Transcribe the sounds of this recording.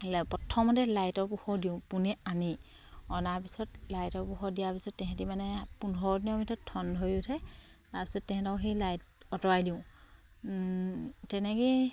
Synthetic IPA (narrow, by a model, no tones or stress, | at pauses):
pɔtʰːɔmɔtɛlajtɔɹpuxɔɹdiʊ̃punɛani | ɔnaɹpisɔtlajtɔɹpuxɔdijapisɔtːɛɦɛ̃timanɛpunɔɹdinɔmitʰɔtʰːɔndojʊtʰɛ | taɹpi̥sɔtːɛkɛ̃tɔxejlajtɔtɔɹajdiʊ̃ | tɛnɛke